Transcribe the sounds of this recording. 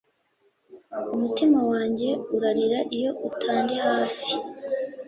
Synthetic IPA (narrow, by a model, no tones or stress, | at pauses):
umutimawaːɲɟe̞uɾaɾiɾaʔijo̞ʔutʰaːndehaːfi̥